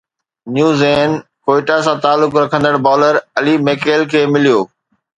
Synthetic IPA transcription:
njuːzeːn | koːɪʈasãt̪aːlːʊkɾɐkʰə̃nd̪əɽbɔːləɾɐlimeːkeːlkʰeːmɪlijoː

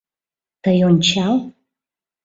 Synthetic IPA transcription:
t̪ʰɐjont͡ʃʰal

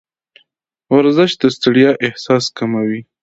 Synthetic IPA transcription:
waɾzɪʃ̚d̪əst̪aɽijɑʔɪhsɑskamawi

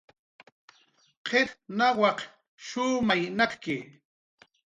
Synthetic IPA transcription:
qʰetnawɑq | ʃuːmajnaɾkɪ

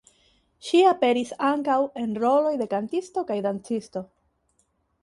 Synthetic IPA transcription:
ʃiape̞ɾisaŋkawe̞nɾo̞lo̞jde̞kantisto̞kajdant͡sisto̞

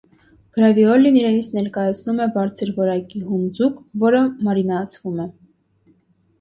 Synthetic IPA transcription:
ɡ̥ɾɑviɔliniɾɛnit͡sʰnɛɾkɑjɑt͡sʰnumɛbɑɾt͡sʰəɾvɔɾɑkiɦund͡zukvɔɾəmɑɾinɑt͡sʰvumɛ

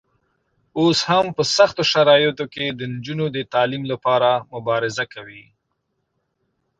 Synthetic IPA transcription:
oshampəsaxt̪oʃaɾɑjɪt̪oked̪ənd͡ʒunod̪ət̪ɑlimlapɑɾamʊbɑɾɪzakʰawi

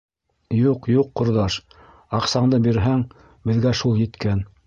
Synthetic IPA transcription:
juqjuqːŏɾðɑʃ | ɑqsɑɴd̪ɤbiɾɦæŋ | bɘ̆ðɡæʃulˠjɘ̆t̪kæn

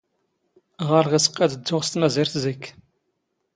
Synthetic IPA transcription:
ʁəɾˤʁisə̥qːæd̪əd͡zːʊʁst̪mæziɾθzəkː

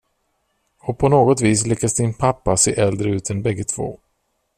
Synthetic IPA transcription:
ɔpʰɔnoːɡɔt̪viːslɪkːasd̪ɪnpʰapːasḛːʔɛld̪ɾəʉ̟ːt̪ɛnbɛɡːət̪ʰv̥o̰ː

